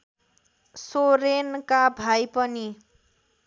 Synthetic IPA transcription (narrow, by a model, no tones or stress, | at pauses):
soɾenkabʱajpʌni